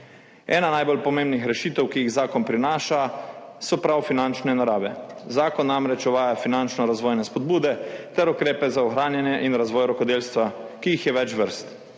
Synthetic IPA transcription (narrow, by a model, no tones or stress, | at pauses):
ɛ̰ːnanajbolpɔmeːmbnixɾɛʃiːt̪ɛwkijiɣzaːkɔnpɾinaːʃasɔpɾawfinant͡ʃnɛnaɾaːʋɛzaːkɔnːamɾɛt͡ʃɔʋaːjafinant͡ʃnɔɾazʋɔːjnɛspɔd̪̚buːd̪ɛt̪ɛɾukɾeːpɛzaɔxɾaːnjanjɛʔinɾazʋɔːjɾɔkɔd̪eːlst̪ʋakiixjɛʋɛt͡ʃʋəɾst̪